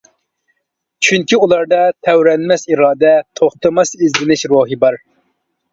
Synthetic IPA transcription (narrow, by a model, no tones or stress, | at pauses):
t͡ʃʰyŋkʲiulˠɑɾd̪ɑt̪ʰɛwɾɛnmɛsiɾɑːd̪ɛt̪ʰoχt̪ɨmɑsizlɪnɪʃɾoːɦɨbɑɾ